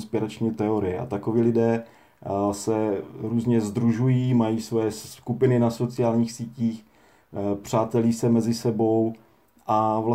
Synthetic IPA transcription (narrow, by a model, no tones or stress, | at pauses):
spɪɾat͡ʃɲiːt̪ɛoɾɪjɛʔa̰t̪akoviːlɪdɛː | sɛɾuːzɲɛzd̪ɾuʒujiːmajiːsvojɛsskupɪnɪnaso̞t͡sɪjaːlɲiːxsiːciːx | pr̝̥aːt̪ɛliːsɛmɛzɪsɛbo̞w | ʔavla